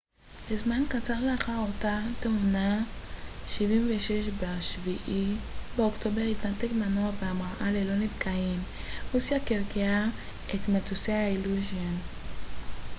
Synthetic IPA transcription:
lezmankat͡saʁleaχaʁo̞tateuna | ʃivimveʃeʃbeaʃviʔibeokto̞beʁitnatekmanoaveamʁaʔalelo̞nitkʰajim | usjakeʁɡea | etmatuseailuzjon

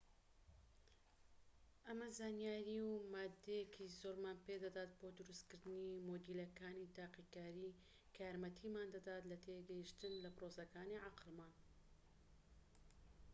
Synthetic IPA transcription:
ʔɐmɐzaːnjaːɾiwmaːd̪ːejekʰizoɾmaːnped̪ɐd̪aːt̪̚boːd̪ʊɾust̪kɨɾd̪ɨnimoːd̪ilɐkaːnit̪aːqikaːɾi | kʰjaɾmɐt̪ʰimaːnd̪ɐd̪aːt̪lɐt̪ʰeɡɐjiʃt̪ɨnlɐpɾosɐkaːniʕaqlman

